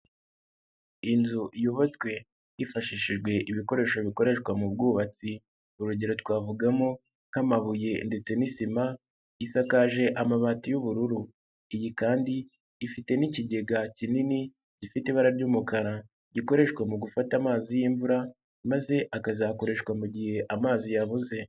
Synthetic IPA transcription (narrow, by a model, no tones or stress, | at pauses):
inzuʔjoβot͡skwe̞ | ifaʃiːʃiʒɡwe̞ʔiβiko̞ɾe̞ːʃoβiko̞ɾe̞ʃkwamubɡuːβat͡si | uɾuɟeɾotwaːvuɡamo | ŋ̥hamaβuje̞nde̞t͡se̞nisima | isakaʒe̞ʔamaβatijuβuɾuɾu | ijikaːndiː | fite̞niciɟe̞ɡacinini | ɟ̥ifiteβaɾaɾɟumukaɾa | ɟiko̞ɾe̞ʃkwamuɡufatamaːzijiːɱvuɾa | maze̞ʔakazako̞ɾe̞ʃkwamuɟihe̞ʔamaːzijaβuze̞